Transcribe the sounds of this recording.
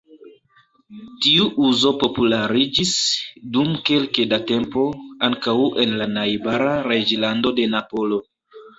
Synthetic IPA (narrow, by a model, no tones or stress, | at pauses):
tiuʔuzo̞po̞pulaɾid͡ʒisdumke̞lkedate̞mpo̞aŋkawʔe̞nlanajbaɾaɾe̞d͡ʒlando̞de̞napo̞lo̞